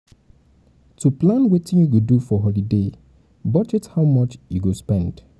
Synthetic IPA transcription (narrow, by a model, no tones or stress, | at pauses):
tʰuplãnwetɪ̃ŋwudufɔɦɔlide | bɔd͡ʒɛthaʊmʌt͡ʃjuɡospɛ̃nd̥